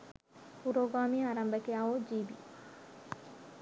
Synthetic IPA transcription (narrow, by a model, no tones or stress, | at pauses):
puɾoːɡaːmiaːɾɐmbɐkeaoːd͡ʒiːbḭ